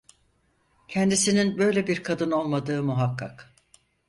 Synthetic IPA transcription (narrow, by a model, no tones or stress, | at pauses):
cʰɛnd̪isininbø̞jlʲebiɾkʰad̪ɯno̞lˠmad̪ɯːmuɦakʰːa̰k